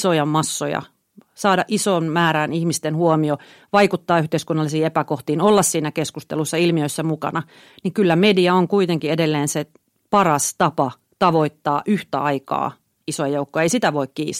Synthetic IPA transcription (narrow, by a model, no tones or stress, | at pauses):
sojɑmɑsːojɑ̰ | sɑːdɑʔisoːnmæːɾænihmist̪enhuomio | ʋɑikut̪ːɑːyht̪eiskunːɑlːˑisiːepækoht̪iːnolːɑssiːnækeskust̪ḛlusːɑilmiøisːæmukɑ̰nɑ | niŋkylːæmediɑoŋkuit̪eŋkiedelːeːnse | pɑrɑst̪ɑpɑ | t̪ɑʋoit̪ːɑːʔyht̪æɑikɑ̰ː | isojɑjoukːoɑeisit̪æʋoikkḭːs